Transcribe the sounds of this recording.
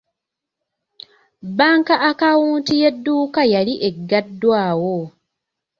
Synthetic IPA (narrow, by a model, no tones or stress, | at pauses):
baːŋkaʔakawuːntije̞dːuːkajaliʔe̞ɡːadːwaːwo